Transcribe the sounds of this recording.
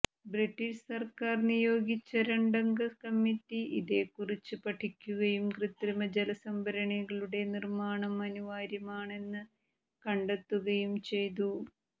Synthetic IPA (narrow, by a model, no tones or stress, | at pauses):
briʈːiʂsɐrkaːrnijo̞ːɡit͡ɕːɐɾeɳɖɐŋɡɐkɐmːitːiʔiðe̞ːkːurit͡ɕːɨpɐʈʰikʲːuɣɐjumkrɨt̪ːrimɐd͡ʑelɐsɐmbʱɐɾɐɳɐɣɐɭuɽe̞nirmaːɳɐmːɐnuʋaːɾjɐmaːɳe̞nːɨ | kɐɳɖet̪ːuɣɐjumt͡ɕe̞jt̪̬u